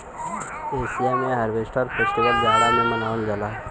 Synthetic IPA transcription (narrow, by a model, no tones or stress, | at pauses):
esijamẽɦaɾbesʈʰəɾpʰesʈiʋəld͡ʒaɽamẽmənaund͡ʒəla